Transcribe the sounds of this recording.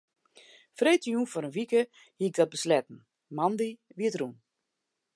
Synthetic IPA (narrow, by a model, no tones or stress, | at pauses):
freːtəjuːnfɔɾənʋikə | hiɪk̚ɡ̚dɔt̚bəslɛtn̩ | mandiʋiətrun